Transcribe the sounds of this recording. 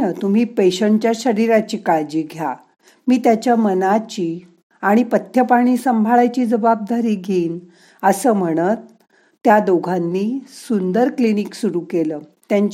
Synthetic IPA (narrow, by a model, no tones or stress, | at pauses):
ət̪um̤iːpeɕəɳt͡ɕjaɕəɾiɾat͡ɕiːkaɭd͡ʑiːɡʱja | miːt̪jat͡ɕjamənat͡ɕiː | aɽ̃ipət̪ʰːjəpaɽ̃iːsəmbʱaɭajt͡ɕiːd͡zəbab̚d̪aɾiːɡʱeːn | əsəːm̤əɽ̃ət̪ː | jad̪oɡʱanːiːsund̪əɾkliniksuɾuːkeləːt̪jaɲt͡ɕ